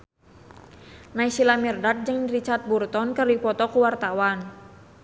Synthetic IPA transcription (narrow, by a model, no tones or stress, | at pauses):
naisilamirdat̪̚d͡ʒɨŋdiɾit͡ʃart̪̚burt̪ɔnkərdipɔt̪ɔkuwart̪awan